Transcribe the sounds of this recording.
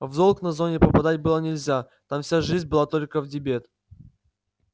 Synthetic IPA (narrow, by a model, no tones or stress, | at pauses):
vzolˠknɐzo̞nʲɪpəpɐd̪at̚ʲbɨlˠənʲɪlʲzʲa | t̪amfsʲaʐɨzʲnʲbɨlˠat̪o̞lʲkəvdʲɪbʲe̞t̪